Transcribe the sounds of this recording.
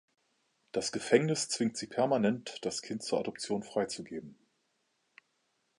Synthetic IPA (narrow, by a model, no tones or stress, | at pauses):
d̥asɡ̥əfɛŋnɪst͡sv̥ɪŋtz̥iːpʰɛɐmanɛntd̥askʰɪnt̚t͡suːɐʔadɔpt͡sjoːnfʁ̥aɪt͡suɡeːbm̩